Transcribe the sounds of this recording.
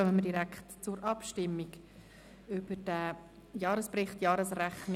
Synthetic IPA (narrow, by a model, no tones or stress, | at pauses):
vɛmədiɾækχtt͡sʊɾʔɑpʃtɪmːiɡ | ʏb̥ədæ | jɑːɾəsprɪχtjɑːɾəsræχn